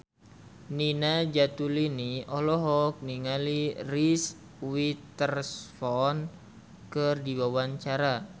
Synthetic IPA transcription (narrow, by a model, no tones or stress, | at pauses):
ninad͡ʒat̪uliniɔlɔɦɔk̚niŋaliris | wit̪ərsfɔn | kɨrdiwawaɲt͡ʃaɾa